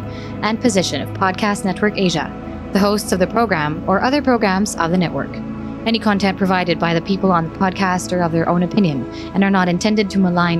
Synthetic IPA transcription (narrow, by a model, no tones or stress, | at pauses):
ʔɨ̃npʰɨzɪʃɨ̃nʌ̰v̥pʰɑd̚kʰæstⁿnɛt̚wə˞keɪʒɨ̰ | ðɨɦoʊstsʌvðɨpʰɹ̥oʊɡɹæ̃mə˞ʔʌðə˞pʰɹ̥oʊɡɹæ̃mzʌ̰vðɨnɛʔwə̰˞k | ɛñikʰɑ̃ntʰɛ̃npʰɹ̥ɨvaɪɾɨd̚baɪðɨpʰipl̩ˠə̃nðəpʰɑd̚kʰæstə˞ʌvðə˞ʔõʊ̃nɨpʰɪ̃njɨ̃n | ɨ̃nə˞nəɾɨ̃ntʰɛ̃ndɨd̚tʰɨməlãɪ̃n